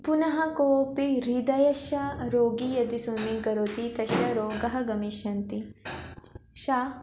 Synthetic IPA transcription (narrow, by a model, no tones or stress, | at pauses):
punɐɦɐkoːpiɾid̪ɐjɐʃɐɾoːɡijɐd̪isunːiɡɐɾoːt̪it̪ɐʃjɐɾoːɡɐɦɐɡɐmiʃɐnt̪i | ʃaː